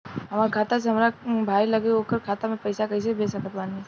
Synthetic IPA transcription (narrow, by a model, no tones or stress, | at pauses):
ɦɐmaːɾkʰaːt̪as̬eɦɐmɾabʱaːilɐɡeoːkəɾkʰaːt̪amẽpɐɪsakɐs̬eibʱeːsɐkət̪baːnie